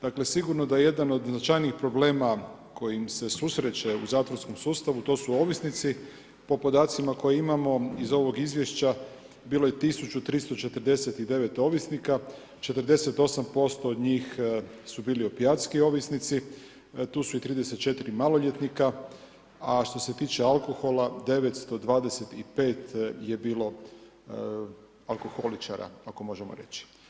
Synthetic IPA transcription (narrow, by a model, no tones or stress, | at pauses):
d̪̥akle̞siɡuɾnod̪ajeje̞d̪ano̞d̪znat͡ʃajniːxpɾo̞ble̞ːma | ko̞jimse̞susɾe̞t͡ɕe̞uzaːt̪ʋoɾsko̞msuːst̪aʋut̪o̞ːsuo̞ʋisnit̪si | po̞po̞d̪aːt̪simako̞jeimamo̞izo̞ʋo̞ɡizʋje̞ʃt͡ɕa | biːlo̞je̞t̪isut͡ɕut̪ɾist̪o̞t͡ʃe̞t̪əɾd̪e̞se̞t̪id̪e̞ʋe̞t̪o̞ʋisnika | t͡ʃe̞t̪əɾd̪e̞se̞t̪o̞sampo̞st̪oːd̪ɲiːxsubiːliupijat̪skijo̞ʋisnit̪si | t̪uːsuit̪ɾiːd̪e̞se̞t̪̚t͡ʃe̞t̪iɾimalo̞ʎet̪nika | aʃt̪o̞se̞t̪iːt͡ʃealˠko̞xo̞lˠad̪e̞ʋet̪st̪o̞d̪ʋaːd̪ese̞t̪ipe̞ːt̪je̞biːlo̞ | alˠko̞xo̞lit͡ʃaɾa̰akomo̞ʒemo̰ɾe̞̰t͡ɕi̥